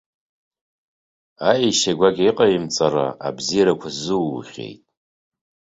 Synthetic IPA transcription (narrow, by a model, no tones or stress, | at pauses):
aiʃaɡʷaɡʲiqʼaimt͡sʼara̰ʔːbzijɾakʷʰazɨwχʲḛjtʼ